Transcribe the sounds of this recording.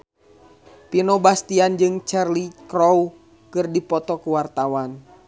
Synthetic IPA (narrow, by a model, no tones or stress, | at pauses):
pinɔbast̪iand͡ʒɨŋt͡ʃɛrlikɾɔu | kɨrdipɔt̪ɔkuwart̪awan